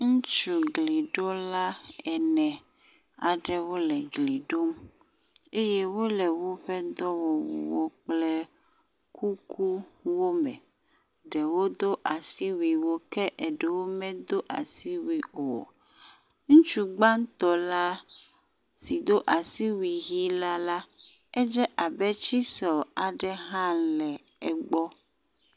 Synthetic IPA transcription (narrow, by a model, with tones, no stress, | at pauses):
ŋũ˦t͡ʃu˨ɡli˨ɖɔ˦la˦ɛ˨nɛ̃˨ | a˨ɖɛ˦wo˦lɛ˨ɡli˨ɖo˦m | e˦je˦wo˦lɛ˨wo˦ɸɛ˦d̪ɔ˦wɔ˨wo̰˨wo˦k͡plɛ˦ | kʰu˦kʰu˦wo˦mɛ˨ | ɖɛ˨wo˦d̪o˦ʔa˨si˦wi˨wo˦kɛ˦ʔɛ˨ɖɛ˨wo˦mɛ̃˦d̪o˦ʔa̰˨si˦wi˨o̰˨ | ŋũ˦t͡ʃu˦ɡ͡ba˦n˦t̪ɔ˦la˦ | si˨d̪o˦ʔa˨si˦wi˨ɣi˦la˦la˦ | ɛ˦d͡ʒɛ˦ʔa˨bɛ˦t͡ʃi˦sɔ˨a˨ɖɛ˦ɦã˦lɛ˨ | ɛ˨ɡ͡bɔ˦